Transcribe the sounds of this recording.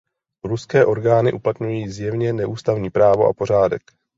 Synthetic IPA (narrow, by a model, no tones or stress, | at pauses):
ɾuskɛːʔo̞ɾɡaːnɪʔuplat̪ɲujiːzjɛvɲɛnɛʔuːst̪avɲiːpɾaːvo̞̰ʔa̰po̞ɾ̝aːdɛ̰k